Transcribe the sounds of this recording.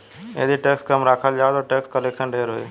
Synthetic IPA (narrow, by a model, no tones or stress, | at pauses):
jḛd̪ʱiʈeːkskəmɾaːkʰəld͡ʒaːt̪oʈeːkskəleːkʃənɖʱeːɾɦoḛː